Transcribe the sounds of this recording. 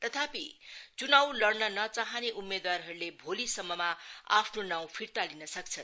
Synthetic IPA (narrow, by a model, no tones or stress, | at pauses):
t̪ʌt̪ʰapit͡sunawlʌɽnʌnʌt͡saɦʌneʔumːed̪warɦʌɾulebʱolisʌmːʌmaa̰pʰnonaw̃pʰirt̪alinʌsʌk̚t͡sʰʌn